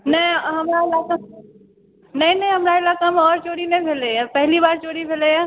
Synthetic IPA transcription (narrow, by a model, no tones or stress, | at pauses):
nɐiɦɐmɾaɪlaka | nɐĩnə̃ĩɦəmɾaɪlaːkamẽɔːɾt͡ʃoːɾinɛ̃bʱeleapɛɦɪlibaːɾt͡ʃoːɽibʱeleja